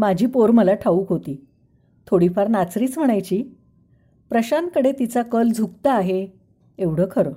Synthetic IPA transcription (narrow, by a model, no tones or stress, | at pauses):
mad͡ʑʱiːpoɾməlaʈʰauːkɦot̪iː | t̪ʰoɽifaɾnat͡sɾiːt͡sʋəɽ̃ajt͡ɕiː | pɾəɕankəɽet̪it͡sakəld͡zʱuk̚t̪aːɦe | eʋɽ̤əːkʰəɾəː